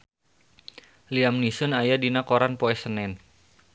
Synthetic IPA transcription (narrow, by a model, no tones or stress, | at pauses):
liamnisʊnajadinakoɾanpoɛsənɛn